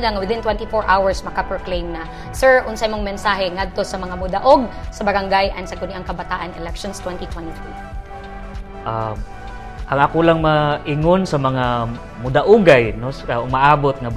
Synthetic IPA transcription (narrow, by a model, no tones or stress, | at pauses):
laŋɐwɪðɪnt̪wɛnt̪ifoɹʔawɐɹsmɐkapɹoklejmnɐ | sɛɹʔʊnsaʔmoŋmɛnsaːɦɛŋad̪̚t̪osɐmɐŋamʊd̪aʔoɡ̚sɐbɐɾaŋɡajʔɐnsɐɡʊniʔaŋkɐbat̪aːʔanɛlɛkʃonst̪wɛnt̪it̪wɛnt̪it̪u | ʔa | ʔɐaŋakolaŋmaʔɪŋonsɐmɐŋa | mʊd̪aʔʊɡajnosamaʔaːbot̪̚ŋa